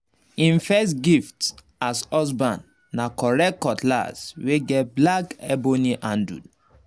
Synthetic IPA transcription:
ĩnfɛstɡift | asɔs̬bãnː | akɔɹɛkɔtʰla̰sweɡɛt̚blakɛboniʔãndṵd

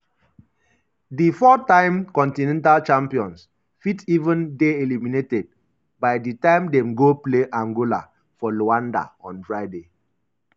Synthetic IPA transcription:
difɔtãɪ̃mkɔ̃ntinɛ̃ntalt͡ʃãmpiɔ̃ns | fitivə̃ndeeliminetɛd̚ | baɪditãɪ̃mdɛ̃mɡopleʔãŋɡola̰ | fɔloãnda̰ɔ̰̃nfɹaɪde

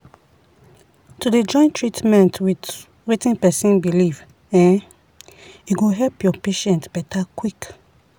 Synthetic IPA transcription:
tuded͡ʒɔ̃ɪ̃ntɹitmɛ̃ntwit | wetĩnpɛsĩnbiliv | ɛ̃n | juɡoɦɛlpjɔpeʃɛ̃ntb̥ɛtakwik

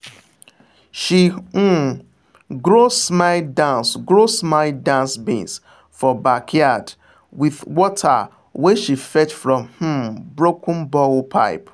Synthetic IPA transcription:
ʃi | ɡɾosmaɪdãnsɡɾosmaɪdãnsbḭ̃ns | fɔbakʰjad | wiðwɔtʰa̰ | weʃifɛt͡ʃfɹɔ̃mh̩bɹokʰʊ̃n̩bɔlpʰa̰ɪp

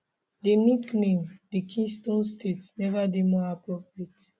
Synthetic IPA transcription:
deniknẽmdikʰĩstõnstʰetnɛvademɔapɹɔpɹiet

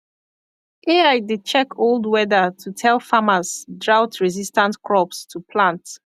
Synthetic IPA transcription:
ʔeaɪdid̚t͡ʃɛkʰolˠdwɛdətʰutʰɛlˠfaməzdɹawtʰɹizistãntkʰɹɔpstʰupʰlãnt

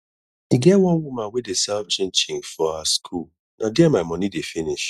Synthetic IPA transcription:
iɡɛwɔ̃nwumãnwedesaft͡ʃɪ̃nt͡ʃɪ̃ŋfɔaskʰul | nʔadɪɛmaɪmɔnidefiniʃ

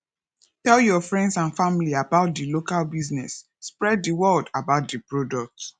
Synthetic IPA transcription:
tɛljɔfɹɛ̃ndsãnfamiliabaʊt̚dilokalbiznɛsː | pɹɛdðiwɜldabaʊt̚dɨpɹodɔk̚t

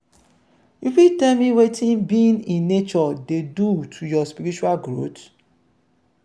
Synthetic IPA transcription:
jifitemiwetʰĩnbĩnĩnːet͡ʃɔdedutʰujɔspiɾit͡ʃualɡɾo̰t

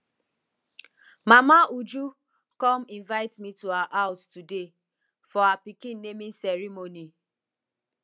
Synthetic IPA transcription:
mamaud͡ʒu | kɔminvaɪtmituaʔaʊstude | fɔapikin̩ːemĩn̩sɛɾimoni

